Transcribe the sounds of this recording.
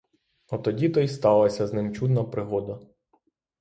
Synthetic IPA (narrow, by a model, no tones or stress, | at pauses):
ɔt̪ɔdʲit̪ɔjst̪ɑlˠɐsʲɐznɪmt͡ʃud̪nɐpɾɪɦɔd̪ɐ